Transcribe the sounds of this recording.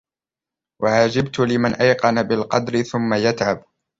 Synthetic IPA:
wʔaʕaːd͡ʒɪbt̪ʊlɪmanʔajqɑnabɪlqɑd̪ɾɪθʊmːajat̪ʕab

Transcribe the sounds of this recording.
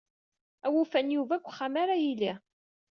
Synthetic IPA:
æwufænjuvækʷːχamaɾajili

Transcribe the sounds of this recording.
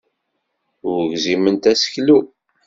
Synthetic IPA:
ʊɾʝzimənt̪æsə̥çlu

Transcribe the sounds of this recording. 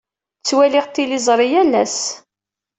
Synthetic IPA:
t͡sːwælɪʁt̪ːilizˤɾˤijælːæs

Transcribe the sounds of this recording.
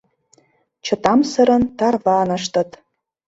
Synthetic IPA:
t͡ɕɤ̆t̪ɑmsɤ̆ɾɤ̆nt̪ɑrvɑnɤ̆ʃt̪ɤ̆t̪

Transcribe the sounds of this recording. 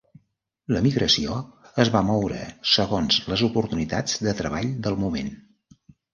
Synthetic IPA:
ləmiɣɾəsioəzβamɔwɾə̰səɣonzləzupuɾt̪unit̪a̰d͡zd̪ət̪ɾəβ̞aʎd̪əlˠmumḛn

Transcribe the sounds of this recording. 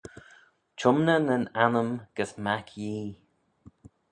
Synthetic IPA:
t͡ʃʰʊmnənənanəmɡ̥əsmakʰjiː

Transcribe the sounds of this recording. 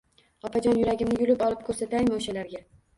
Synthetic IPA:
ɒpʰad͡ʒɒnjʊɾaɡʲɪmnɪjʊlɪpɒlˠɪp̚kʰɵɾsat̪ajmaoʃalaɾɡʲa

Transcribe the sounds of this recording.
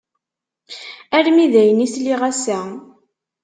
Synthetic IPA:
æɾmiðæjənisliʁæsæ

